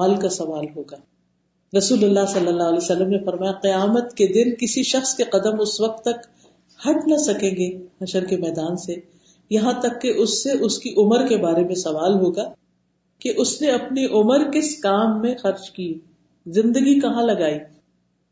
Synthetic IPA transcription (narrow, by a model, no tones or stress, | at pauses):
aːlkasɐʋaːlɦoːɡaː | ɾɐsuːlʊlːasɐlːəlːaːɦɐlesɐlːəmnefɐɾmaːjaqɪjaːmət̪ked̪ɪnkɪsiʃɐxskeqɐd̪əmʊsʋɐq̚t̪ːɐk | hɐʈnasɐkẽːŋɡehɐʃəɾkemɛːd̪aːnse | jɐɦãt̪ɐkːeʔʊsːeʔʊskiʔʊməɾkebaːɾemẽsɐʋaːlɦoːɡaː | keʔʊsneɐpniʔʊməɾkɪskaːmːẽxɐɾd͡ʒkiː | zɪ̃nd̪əɡikɐɦãlɐɡaːiː